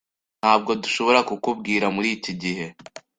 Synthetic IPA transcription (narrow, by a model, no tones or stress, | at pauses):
n̥haːb̚ɡo̞duʃo̞βo̞ɾakukub̚ɡiːɾamuɾiːciɟihe̞